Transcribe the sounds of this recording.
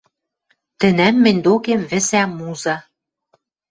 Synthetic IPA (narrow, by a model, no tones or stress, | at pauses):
t̪ɘ̆næmːɘ̆nʲd̪okemβɘ̆sæmuzɑ